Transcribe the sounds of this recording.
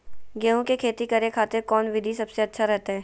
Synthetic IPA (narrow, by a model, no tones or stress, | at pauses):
ɡeːɦũkekʰeːt̪ikɐɾekʰaːt̪ekɔːnʋɪd̪ʱisɐbseɐtːʃʰaɾɛɦt̪aɦɛː